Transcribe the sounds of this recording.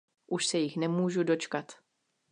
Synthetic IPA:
ʔuʃsɛjɪxnɛmuːʒudo̞t͡ʃkat̪

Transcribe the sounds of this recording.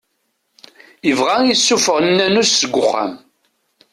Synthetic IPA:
əvʁajisːufəʁənːænusːəɡʷːʊχːæ̰m

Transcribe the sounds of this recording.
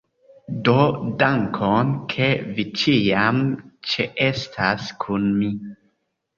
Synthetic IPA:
dodaŋkʰonkʰevit͡ʃiamt͡ʃeʔestʰaskʰunmi

